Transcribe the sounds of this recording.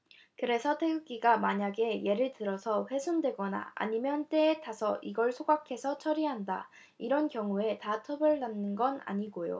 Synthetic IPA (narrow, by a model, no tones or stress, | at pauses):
kɯɾe̞sʰʌtʰeɡɯɡ͈iɡamaɲaɡe̞je̞ɾɯɭtɯɾʌsʰʌɸwe̞sʰundwe̞ɡʌna̰a̰ɲimjʌnt͈e̞ːtasʰʌʔiɡʌɭsʰoɡakʰe̞sʰʌt͡ɕʰʌɾiɦanda̰ | iɾʌnkjʌŋue̞tatʰʌbʌɭːanːɯnɡʌna̰ɲiɡojo̰